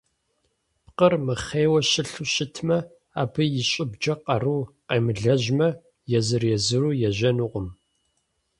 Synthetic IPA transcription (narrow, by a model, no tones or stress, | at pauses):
pqərmɨχeːwɐɕɪɬuɕɪtʰmɐ | a̰ːbɨjɪɕʼɪbd͡ʒɐqɐruːqeːmɨɮɐʒmɐ | jɛzɨrjɛzɨɾuːjɛʒɐnuʁʷʊm